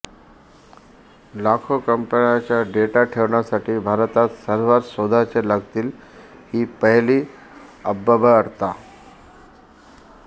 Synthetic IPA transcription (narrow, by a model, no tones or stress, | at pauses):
lakʰokəmpəɳjat͡ɕjaɖeʈaʈʰeʋɳjasaʈiːbʱaɾt̪at̪səɾʋaɾsod̪ʱat͡seləɡt̪iːl | hiːpəɦliː | əbːəbəəɽt̪a